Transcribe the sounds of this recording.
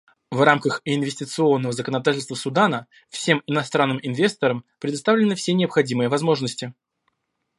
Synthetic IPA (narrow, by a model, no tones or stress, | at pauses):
vramkəxɪnvʲɪsʲtʲɪt̪sɨo̞nːəvəzəkənɐd̪atʲɪlʲst̪vəsʊd̪anə | fsʲe̞mɪnɐst̪ɾanːɨmɪnvʲe̞st̪əɾəmpɾʲɪd̪ɐst̪avlʲɪnɨfsʲenʲɪəpxɐdʲimɨjəvɐzmo̞ʐnəsʲtʲɪ